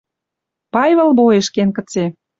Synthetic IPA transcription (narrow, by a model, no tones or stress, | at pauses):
pɑjvβə̆lboeʃkenkə̆t͡se